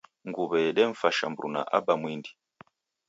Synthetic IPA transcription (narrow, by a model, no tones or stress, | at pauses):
ŋɡuβɛɗɛɱ̩faʃambɾṵna̰ʔabamwindi